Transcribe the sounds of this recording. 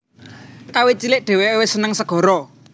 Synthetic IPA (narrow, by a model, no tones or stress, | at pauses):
kawit͡ʃilɪʔɖ̥e̤wewɪsənəŋsəɡ̥ɔ̤ɾɔ